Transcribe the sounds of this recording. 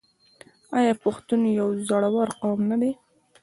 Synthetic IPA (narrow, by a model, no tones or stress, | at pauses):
ɑjɑpʊxt̪unojawzɑɽawɑɾqawmnad̪e